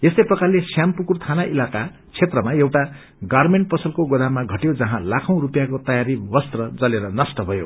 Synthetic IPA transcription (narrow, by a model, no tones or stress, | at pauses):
esʌjprʌkarlesjampukurt̪ʰanaʔilaka | t͡sʰet̪rʌmaewʈa | ɡʌrmeɳʈ̚pʌsʰʌlkoɡod̪amaɡʱʌʈjod͡zʌɦãlakʰʌ̃w̃ɾupjakot̪ʌjaɾibʌst̪rʌd͡zʌleɾʌnʌsʈʌbʱʌjo̰